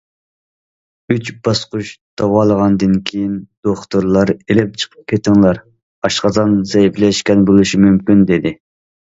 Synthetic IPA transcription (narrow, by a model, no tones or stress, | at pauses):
yt͡ʃbɑsqʊʃd̪̥ɑwɑːlˠəʁɑnd̪ɨnkʲʰejind̪̥oχt̪uɾlˠɑɾelɪp̚t͡ʃʰə̥qʰə̥p̚kʲʰet̪ɪŋlˠɑɾ | ɑʃqɑzɑnzɛjiplɛʃkʲɛnbolˠɨʃimymkʲynd̪ed̪ɪ